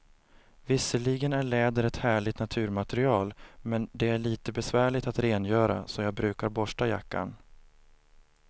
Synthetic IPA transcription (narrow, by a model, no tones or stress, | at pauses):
vɪsːəɭiɡənæɭɛːd̪əɾɛt̪hæːɭɪt̪nat̪ʰʉ̟ːɾmat̪ɛɾɪɑːlmɛnd̪ɛæɭiːt̪əbɛsvæːɭɪt̪at̪ɾeːnjœːɾa̰sɔjɑːɡ̚bɾʉ̟ːkaɾbɔʂʈaja̰kːa̰n